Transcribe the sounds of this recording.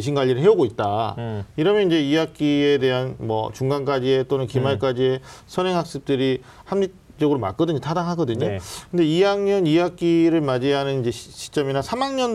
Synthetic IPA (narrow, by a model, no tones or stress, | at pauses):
ɕ̬ʰinɡaʎːiɾɯɭhɦe̞uɡoit̚t͈aiɾʌmjʌnind͡ʑe̞ijak͈̚ie̞de̞ɦanmwʌ̰t͡ɕuŋɡank͈ad͡ʑie̞t͈onɯnkimaɭk͈ad͡ʑie̞sʰʌnɦe̞ŋɦak̚s͈ɯp̚t͈ɯɾi | hamɲi | t͡ɕ͈ʌɡɯɾoma̰k͈ʌdɯɲotʰadaŋɦaɡʌdɯɲokɯnde̞ijaŋɲʌnijak͈iɾɯɭmad͡ʑiɦanɯnid͡ʑe̞ɕʰi̥t͡ɕ͈ʌminasʰamaŋɲʌn